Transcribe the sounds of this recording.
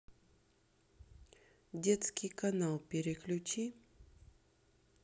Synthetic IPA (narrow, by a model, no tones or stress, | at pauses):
dʲet̪skʲijkɐnalˠpʲɪɾʲɪklʲʊt͡ɕi